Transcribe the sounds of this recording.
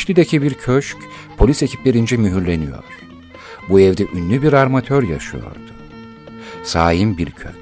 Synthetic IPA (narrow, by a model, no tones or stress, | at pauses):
ʃlʲid̪ecʰibiɾcʰøʃc | pʰo̞lʲisecʰiplʲeɾind͡ʒɛmyɦyɾlʲe̞nijo̞̰ɾ̥ | buɛvd̪ɛʔynːʲybiɾaɾmat̪ʰøɾja̰ʃɯ̰jo̞̰ɾd̪̥u̥ | saːjimbiɾcʰøc